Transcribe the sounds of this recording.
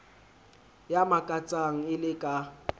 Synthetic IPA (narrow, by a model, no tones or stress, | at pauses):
jamakʼat͡sʼaŋ̩ɪlɪkʼa